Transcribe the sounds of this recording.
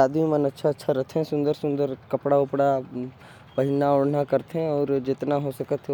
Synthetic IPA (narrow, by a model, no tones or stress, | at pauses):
aːd̪mĩmənətːʃʰaətːʃʰaɾət̪ʰẽsʊ̃nd̪əɾsʊ̃nd̪əɾkəpɽaʊpɽa | pəɦɪnaoɽnakəɾt̪ʰẽɔːɾd͡ʒɪt̪naɦosəkət̪ʰ